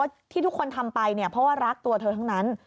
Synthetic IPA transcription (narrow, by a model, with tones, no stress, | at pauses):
t̪ʰiː˥˩t̪ʰkʰːo˧nt̪ʰa˧mpa˧jni˥˩ɐpʰɾɔ˦˥waː˥˩ɾa˦˥k̚t̪u˧ɐt̪ʰɤː˧t̪ʰa˦˥ŋna˦˥n